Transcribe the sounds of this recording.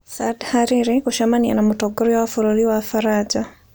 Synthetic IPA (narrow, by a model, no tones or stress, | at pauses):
sadhaɾiɾikuʃamania̰namutɔɡɔɾiwafuɾuliwafaɾad͡ʒa